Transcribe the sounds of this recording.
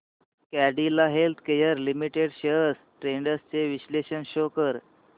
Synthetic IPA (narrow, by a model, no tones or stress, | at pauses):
kæɽilaɦelt̪ʰkejəɾlimiʈeɽɕəəs | ʈɾeɳɖəst͡seʋiɕleɕənɕokəɾ